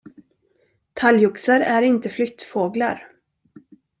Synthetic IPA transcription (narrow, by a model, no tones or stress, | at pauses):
t̪ʰaljɵksəɾæɾɪnt̪əflʏt̪foːɡlaɾ